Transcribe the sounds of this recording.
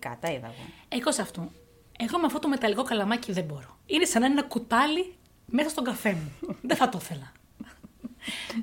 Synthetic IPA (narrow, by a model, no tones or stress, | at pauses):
kɐ̰t̪ɐiðɐ̰ɣo̰ekosɐft̪u | exomeɐft̪ot̪ome̞t̪ɐlikokɐlɐmɐciðebo̞ɾo̞inesɐnɐenɐkut̪ɐli | mesɐst̪o̞ŋɡɐfe̞muðeθɐt̪oθe̞lɐ